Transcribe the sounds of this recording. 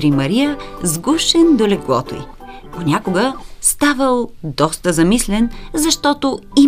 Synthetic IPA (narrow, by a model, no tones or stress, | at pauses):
ɾimɐɾijəzɡuʃɛnd̪olɛɡlˠɔ̰t̪o̰ḭ | ponʲakʊɡəst̪avəlˠd̪ɔst̪əzɐmislɛnzɐʃt̪ɔt̪oi